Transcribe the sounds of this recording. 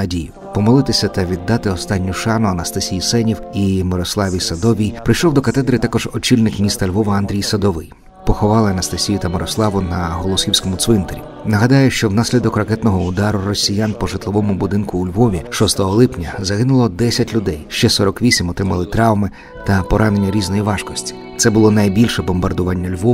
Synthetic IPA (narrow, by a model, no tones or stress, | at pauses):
ɐdʲijʊ | pɔmɔlˠɪt̪ɪsʲɐt̪ɐʋʲid̪ːɑt̪ɪɔst̪ɑnʲːʊʃɑnʊɐnɐst̪ɐsʲijisɛnʲiwimɪɾɔslˠɑʋʲijsɐd̪ɔʋʲijpɾɪjʃɔwd̪ɔkɐt̪ɛd̪ɾɨt̪ɑkɔʒɔt͡ʃilʲnɪkmʲist̪ɐlʲʋɔʋɐɐnd̪ɾʲijsɐd̪ɔʋɪj | pɔxɔʋɑlˠɪɐnɐst̪ɐsʲijʊt̪ɐmɪɾɔslˠɑʋʊnɐɦɔlˠɔsxʲiwsʲkɔmʊt̪sʋɪnt̪eɾʲḭ | nɐɦɐd̪ɑjʊʃt͡ʃɔwnasʲlʲid̪ɔkrɐkɛt̪nɔɦɔʊd̪ɑɾʊrɔsʲijanpɔʒɪt̪lˠɔʋɔmʊbʊd̪ɪnkʊːlʲʋɔʋʲiʃɔst̪ɔɦɔlˠɪpnʲɐzɐɦɪnʊlˠɔd̪ɛsʲɐtʲlʲʊd̪ɛjʃt͡ʃɛsɔɾɔkʋʲisʲimɔt̪ɾɪmɐlˠɪt̪ɾɑwmɪ | t̪ɐpɔɾɑne̞nʲːɐɾʲiznɔjiʋɑʃkɔsʲtʲi̥ | t̪sɛbʊlˠɔnɐjbʲilʲʃɛbɔmbɐrd̪ʊʋɑnʲːɐlʲʋɔ